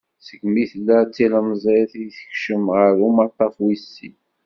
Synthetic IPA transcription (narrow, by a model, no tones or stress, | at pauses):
səɡmiθlːæt͡sːiləməzˤeθjθə̥çʃəmʁəɾumɑt̪ˤːɑfwisːi